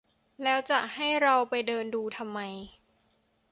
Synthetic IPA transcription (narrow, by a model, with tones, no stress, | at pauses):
lɛː˦˥wt͡ɕa˨˩ʔha˥˩jɾa˧wpa˧jdɤː˧nduː˧t̪ʰa˧mːa˧j